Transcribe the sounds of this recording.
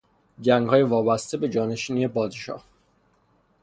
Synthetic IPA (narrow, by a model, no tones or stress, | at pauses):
ɟæŋɡhɒːjevɒːbæst̪e̞be̞d͡ʒɒːne̞ʃiːnie̞bɒːd̪eʃɒ̰ːh